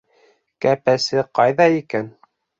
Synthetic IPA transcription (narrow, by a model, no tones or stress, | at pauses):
kæpæsɘqɑjðɑikæn